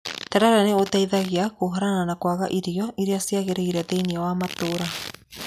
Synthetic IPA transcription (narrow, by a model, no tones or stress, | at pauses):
taɾaɾaneotaiðaɣeakoɦaɾananakwaɣaʔiɾiɔʔiɾeasiaɣeɾeiɾaðeiniawamatoɾa